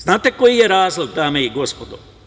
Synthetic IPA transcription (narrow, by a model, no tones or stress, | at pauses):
znaːt̪ekojijeɾaːzlod̪aːmeiɡo̞spod̪o